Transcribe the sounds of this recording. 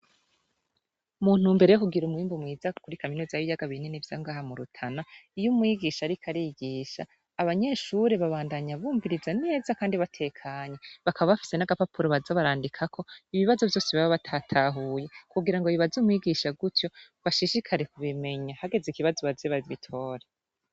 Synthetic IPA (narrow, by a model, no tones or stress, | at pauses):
muːn̥umbe̞ɾe̞jokuɡiɾumwiːmbumŋiːzakuɾikaminozaijaɡaβinenivjaŋɡaːhamuɾutʰanaijumwiɡiʃaɾikʰaɾiɡiʃa̰ː | βaɲe̞ʃuɾeβaβaːndaɲaβuːɱviɾizane̞ːzakaːndiβatʰe̞kʰaːɲe̞βakʰaβaβafi̥se̞naɡapapʰuɾoβazaβaɾaːndikʰakʰo̞iβiβazo̞vjo̞ːsiβaβaβatʰatʰaɦuje̞kuɡiɾaŋɡojiβazimwiɡiʃaɡutjo̞ | βaʃiʃikʰaɾe̞kuβime̞ɲahaɡe̞zikiβazoβazeβaβitʰo̞ːɾe